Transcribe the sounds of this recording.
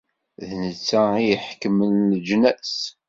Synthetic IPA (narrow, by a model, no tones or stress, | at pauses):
ðnət͡sːæijəħkəmənːəd͡ʒnæs